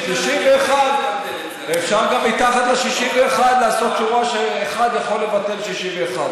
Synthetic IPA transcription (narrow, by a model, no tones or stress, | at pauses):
ʃiʃimveːχad̪ | efʃaʁɡamːit̪aχat̪leʃiʃimveːχad̪laːso̞t̪̚t͡ʃuʁaʃeːχad̪jaχo̞le̞vat̪e̞lʃiʃimveːχad̪